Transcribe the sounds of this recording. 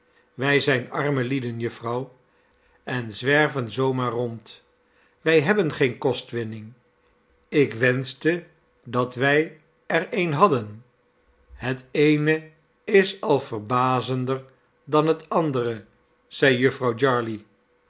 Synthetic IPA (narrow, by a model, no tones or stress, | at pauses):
ʋɛjzɛjnɑɹməlidənjɵfrɑw | ɛnzʋɛɹvənzowmaːɹrɔnt | ʋɛjɦɛbənχejnkɔstʋɪnɪŋ | ɪkʋɛnstə | dɑtʋɛj | ɛɹejnɦɑdən | ɦətejnə | ɪsɑlˠvəɹbaːzəndəɹ | dɑnɦətɑndərə | z̥ɛjjɵfrɑwd͡ʒɑɹli